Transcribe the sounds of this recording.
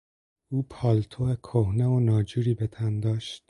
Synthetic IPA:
uːpʰɒːlt̪ʰoekʰohneonɒːd͡ʒuːɾiːbet̪ʰænd̪ɒːʃt̪̚

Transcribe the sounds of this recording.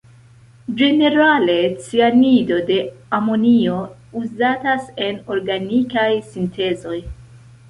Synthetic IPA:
d͡ʒe̞ne̞ɾale̞t͡sianido̞de̞amo̞nio̞ | uzatase̞no̞ɾɡanikajsintʰe̞zo̞j

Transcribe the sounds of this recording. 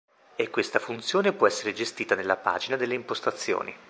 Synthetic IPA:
ekːwest̪afunt̪sjoːnepwɔɛsːeɾed͡ʒest̪iːt̪anelːapa̰ːd͡ʒinad̪elːeimpost̪at̪sːjo̰ːni

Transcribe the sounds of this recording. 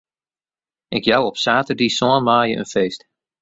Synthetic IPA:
ɪkjawɔpsaːtədisɔənmaːjəʔə̰nfeːst

